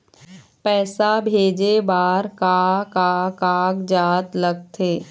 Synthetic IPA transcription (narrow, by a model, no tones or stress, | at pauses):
pɛːsabʱeːd͡ʒebaːɾkakakaːɡd͡ʒaːt̪ləɡ̚t̪ʰeː